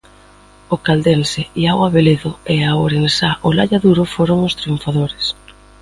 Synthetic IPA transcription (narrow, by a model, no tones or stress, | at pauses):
ʊkald̪enseiaɣwaβeleðoeaoɾensaʔolaʎaðuɾʊfoɾoŋʊst̪ɾiuɱfaðoɾɪs